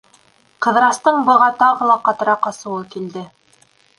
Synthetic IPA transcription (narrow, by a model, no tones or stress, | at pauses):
qɤ̆ðɾɑst̪ɤɴbɤ̆ʁɑt̪ɑʁɤ̆lˠɑqɑt̪ɤ̆ɾɑqɑsɤ̆wɤkild̪ɘ